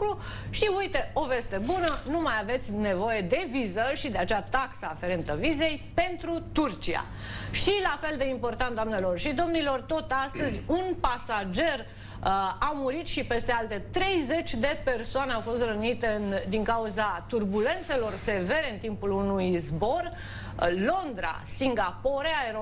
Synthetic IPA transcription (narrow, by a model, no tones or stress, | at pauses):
u | ʃiujt̪e̞o̞ve̞st̪e̞bunənumajave̞t̪sʲne̞vo̞je̞d̪e̞vizəlʃid̪eat͡ʃeat̪aksaːfe̞ɾe̞nt̪əvize̞jpe̞nt̪ɾut̪urt͡ʃia̰ | ʃilafe̞ld̪e̞impo̞rt̪ant̪d̪oamne̞lo̞rʃid̪o̞mnilort̪o̞t̪ast̪əzʲunpasad͡ʒe̞r | awmuɾit̪ʃipe̞st̪e̞alt̪e̞t̪ɾe̞jze̞t͡ʃʲd̪e̞pe̞rsoaneawfo̞st̪rənit̪e̞nd̪iŋkauzat̪urbule̞nt̪se̞lo̞rse̞ve̞ɾe̞ɨnt̪impulunujzbo̞r | lo̞nd̪ɾa̰siŋɡapo̞ɾeaeɾo